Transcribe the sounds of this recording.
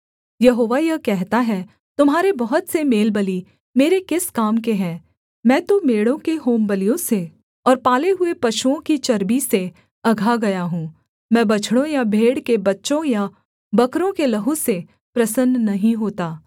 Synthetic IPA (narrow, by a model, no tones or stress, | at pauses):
jɐɦoːʋajɐkɛɦt̪aɦɛ | t̪ʊmɦaːɾebɐɦʊt̪semeːlbɐli | meːɾekɪskaːmkeɦɛ̃ː | mɛ̃ːt̪omeːɽõkeɦoːmbəlijõse | ɔːɾpaːleɦʊepɐʃuõkit͡ʃɐɾbise | ɐɡʱaɡɐjaɦũː | mɛ̃ːbɐt͡ʃʰɽ̃õjabʱeːɽkebɐtːʃõja | bɐkɾõkelɐɦũse | pɾɐsənːɐɦĩɦoːt̪aː